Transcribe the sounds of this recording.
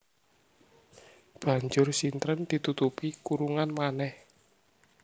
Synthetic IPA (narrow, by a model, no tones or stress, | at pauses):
b̥a̤ɲd͡ʒʊrsint̪ɾənd̪̥i̤t̪ut̪upikuɾuŋanmanɛh